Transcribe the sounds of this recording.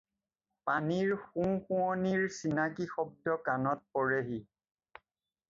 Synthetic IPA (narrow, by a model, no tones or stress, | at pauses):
paniɹxũxũɔniɹsinakixɔb̚dɔkanɔt̚pɔɹeɦi